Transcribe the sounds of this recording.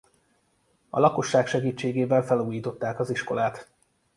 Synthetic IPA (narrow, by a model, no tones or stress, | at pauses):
ɒ̰lɒko̞ʃːaːkʃɛɡiːt͡ʃːeːɡeːvɛlfɛluːjiːt̪o̞t̪ːaːkɒziʃko̞laːt̪